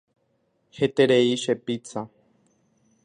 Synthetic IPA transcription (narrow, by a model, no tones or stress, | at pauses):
he̞t̪eɾeiʃe̞pit͡sa